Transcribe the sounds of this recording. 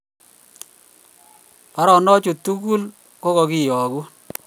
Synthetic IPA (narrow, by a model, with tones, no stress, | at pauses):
pa˨˦ɾɔ˨nɔ˦t͡ʃo˨t̪u˦ku˦l | ko˦kɔ˨ki˦˨jɔ˨ɡu˦